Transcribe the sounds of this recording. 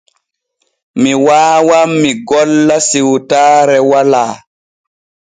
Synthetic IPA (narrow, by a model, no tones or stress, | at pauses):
miwaːwamːiɡɔlːasiwtaːɾɛwalaː